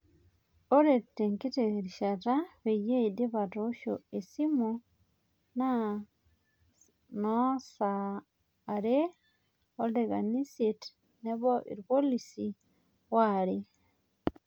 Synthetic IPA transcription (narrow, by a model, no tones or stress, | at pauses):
oɾetːeŋkiteɾiʃataβejeideβatoʃo̰esimu | na | nosaː | ɾe | odeɣaniset | neβoʔḭɾipolisi | waɾe